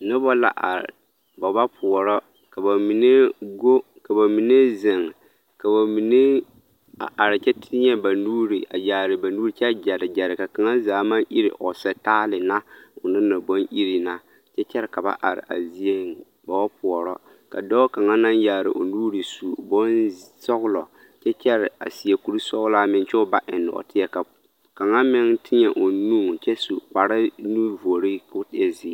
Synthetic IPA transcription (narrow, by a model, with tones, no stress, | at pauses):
nɪ˦bɔ˦la̰˨ʔa̰˨ɾɪ̰˨ | ba˨ba˦pʰʊ˨ɔ˨ɾɔ˦ | ka˨ba˨mi˨ne˦ɡo˦ | ka˨ba˨mi˨ne˦zɪ˨ŋ | ka˨ba˨mi˨ne˦ | a̰˨ʔa˨ɾɪ˨t͡ʃɛ˦tʰɪ˦ɲɛ˦ba˨nuː˦ɾi˨ʔa̰˨jaː˨ɾɪ˨ba˨nuː˦ɾi˨t͡ʃɛ˦d͡ʒɛ˨ɾɪ˨d͡ʒɛ˨ɾɪ˨ka˨ka˨ŋa˦zaː˨˦mã˦nʔi˦ɾɪ̰˨ʔɔ˨sɛ˨taː˦lɪ˨na˦ʊ˨nɪ˦na˨bo˦nʔi˦ɾi˨na˦ | t͡ʃɛ˦t͡ʃɛ˦ɾɪ˨ka˨ba̰˦ʔa˨ɾɪ̰˨ʔa̰˨zi˦e˦ŋ | ba˨wa˦pʊ˨ɔ˨ɾɔ˦ | ka˨dɔ˦ka˨ŋa˦na˦nja˨ɾɪ̰˨ʔʊ˨nuː˦ɾi˨su˨bɔ˦nsɔ˦ɣʊ˦lɔ˨ | t͡ʃɛ˦t͡ʃɛ˦ɾɪ˨a̰˨si˨ɛ˨ku˨ɾi˦sɔ˦ɣlaː˦mɪ˦nt͡ʃɛ˦ʊ˦ba˦ʔɪ˨nːʊ̰˨tɪ˦jɛ˨ka˨ | ka˨ŋa˦mɪ˦ŋtʰɪ˦ɲɛ˨ʔo˨nu˦˨ŋ˨t͡ʃɛ˦su˨k͡pa˨ɾɪ˦nu˦vo˨ɾi˦kʊ˦tɪ˦ɛ˦zi˨˦